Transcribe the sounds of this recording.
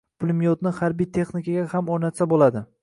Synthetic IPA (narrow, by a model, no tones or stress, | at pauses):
pʰʊlˠmijɒt̪nɪhaɾbijt̪ʰe̞χnɪkʰaɡʲahamoɾnat̪sabolad̪ɪ